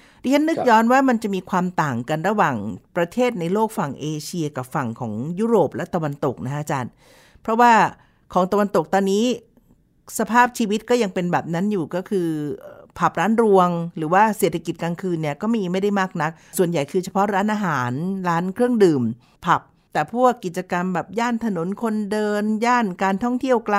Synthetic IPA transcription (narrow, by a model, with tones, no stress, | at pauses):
di˦˥˩t͡ɕʰa˦˥nːɯ˦˥k̚jɔː˦˧˥nwaː˥˩ma˧nt͡ɕa˨˩miː˧kʰwaː˧mt̪aː˨˩ŋka˧nɾa˧waː˨˩ŋpɾa˧t̪ʰeː˥˩t̪̚na˧jloː˥˩k̚fa˨˩ŋʔeː˧t͡ɕʰi˧ɐ˧ka˨˩p̚fa˨˩ŋkʰɔː˩˦ŋjuː˦˥ɾoː˨˩p̚lɛ˦˥t̪a˧wa˧nt̪o˨˩k̚na˦˥kʔa˧t͡ɕaː˧n | pʰɾɔ˦˥waː˥˩ | kʰɔː˩˦ŋt̪a˧wa˧nt̪o˨˩k̚t̪ɔː˧nːiː˦˥ | sa˧pʰaː˥˩p̚t͡ɕʰiː˧wi˦˥t̪̚kɔː˥˩ja˧ŋpe˧nbɛː˨˩p̚na˦˥njuː˨˩kɔː˥˩kʰɯː˧pʰa˨˩p̚ɾaː˦˥nɾu˧əŋɾɯː˩˦waː˥˩seː˨˩t̪ʰa˧ki˨˩t̪̚kaː˧ŋkʰɯː˧nːi˥˩ɐkɔː˥˩ma˥ji˧˩ma˥˩jda˥˩jmaː˥˩k̚na˦˥k̚su˨˩ənja˨˩jkʰɯː˧t͡ɕʰa˧pʰɔ˦˥ɾaː˦˥nʔaː˧ɦaː˩˦nɾaː˦˥nkʰɾɯ˥˩əŋdɯː˨˩m | pʰa˨˩p̚ | t̪ɛː˨˩pʰu˥˩əkːi˨˩t̪̚t͡ɕa˧ka˧mbɛː˨˩p̚jaː˥˩nt̪ʰa˧no˨˩˦nkʰo˧ndɤː˧njaː˥˩nkaː˧nt̪ʰɔ˥˩ŋt̪ʰi˥˩əwklaː˧